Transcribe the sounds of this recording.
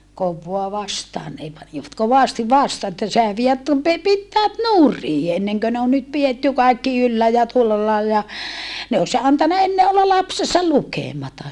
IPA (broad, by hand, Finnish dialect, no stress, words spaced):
koʋːoɑ ʋɑstɑːn neˑ pɑniʋɑt koʋɑˑsti ʋɑstɑː etːæ sehæ ʋie tu pe pitːæːt nuri enːeŋkø ne on nyt pietːy kɑikːi ylːæ jɑ tuolːɑ lɑilːɑ jɑ ne os ɑntɑnɑ enːe olːɑ lɑpsesɑ lukeˑmɑtɑ